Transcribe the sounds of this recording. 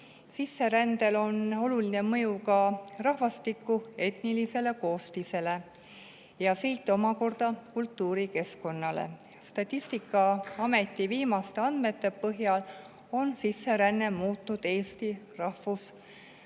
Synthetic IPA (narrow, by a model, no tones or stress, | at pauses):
sisːe̞ɾænd̪e̞lo̞no̞luline̞mɤ̞jukɑrɑhvɑst̪ikːˑue̞t̪nilise̞le̞ko̞ːst̪ise̞le̞ | jɑselt̪ːo̞mɑko̞rd̪̥ɑkult̪ːuːɾike̞sko̞nːɑlḛ | st̪ɑt̪ʲˑːist̪ikːˑɑɑme̞t̪ːˑiviːmɑst̪eɑnd̪me̞t̪ːe̞pɤɦjɑl | o̞nsisːe̞ɾænːe̞muːt̪ˑnud̪̥e̞ːst̪irɑhvus